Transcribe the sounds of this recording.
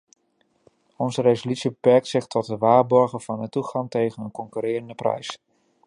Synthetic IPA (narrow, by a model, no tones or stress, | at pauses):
ɔnzəɾejzolytsibəpɛɹk̚tsɪχtʰɔt̚əʋaːɹbɔɹχəv̥ɑnətuχɑŋtejχənənkɔŋkyːɾɪːɾəndəprɛ̰js